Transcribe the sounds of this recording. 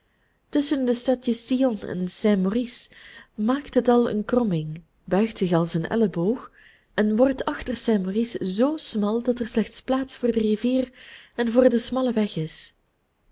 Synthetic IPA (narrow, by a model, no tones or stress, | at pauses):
tɵsəndəstɑtjəsiɔnɛ̰nsɛmorismaːktɦətɑlˠə̰nkrɔmɪŋ | bœɥxtsɪxɑlˠsənʔɛ̰ləboːx | ɛnʋɔrtʰɑxtərsɛmoriszoːsmɑlˠdɑtɛrslɛxtsplaːtsfʊːrdəriviːrɛnvʊːrdəsmɑləʋɛxɪs